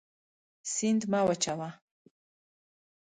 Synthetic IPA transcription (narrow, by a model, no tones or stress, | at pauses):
sindmawat͡ʃʰawa